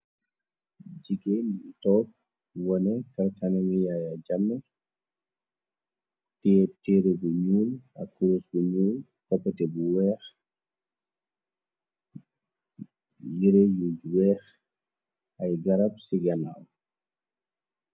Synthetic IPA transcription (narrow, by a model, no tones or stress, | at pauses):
d͡ʒiɡenitɔːk | wɔnɛkɐlkanɛmijajad͡ʒamːɛ | tɛtɛɾebuɲuːlɐ̰kːuɾusbuɲuːl | kɔpːɛtɛbuwɛːx | jiɾejuwɛːx | ʔɐjɡɐɾɐp̚siɡɐnaw